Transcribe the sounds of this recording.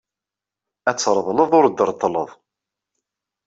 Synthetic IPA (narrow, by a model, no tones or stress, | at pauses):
æt͡sːɾˤðˤləðˤʊɾd̪ːəɾˤt̪ˤːləðˤ